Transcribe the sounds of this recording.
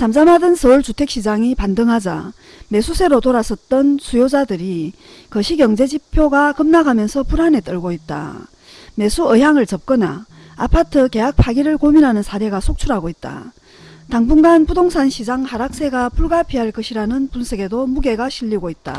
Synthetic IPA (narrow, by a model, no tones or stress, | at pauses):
t͡ɕamd͡ʑamadɯnsʰʌuɭt͡ɕutʰe̞k̚ɕ͈id͡ʑaŋipandɯŋɦad͡ʑa̰ | me̞sʰusʰe̞ɾotoɾasʰʌt̚t͈ʌnsʰujod͡ʑadɯɾi | kʌɕʰiɡjʌŋd͡ʑe̞d͡ʑipʰjoɡakɯmnaɡʱamjʌnsʰʌpuɾane̞t͈ʌɭɡoit̚t͈a̰ | me̞sʰuɯɦjaŋɯɭt͡ɕʌp̚k͈ʌna̰ | apʰatʰɯke̞ɦak̚pʰaɡiɾɯɭkominɦanɯnsʰaɾe̞ɡasʰok̚t͡ɕʰuɾɦaɡoit̚t͈a̰ | taŋbuŋɡanpudoŋsʰanɕʰid͡ʑaŋhaɾak̚s͈e̞ɡapuɭɡapʰiɦaɭk͈ʌɕʰiɾanɯnpunsʰeɡe̞domuɡe̞ɡaɕʰiʎːiɡoit̚t͈a̰